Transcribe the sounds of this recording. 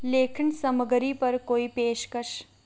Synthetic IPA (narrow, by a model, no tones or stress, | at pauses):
leːkʰnsɐməɡɾipɐɾkoːipeːʃkəʃ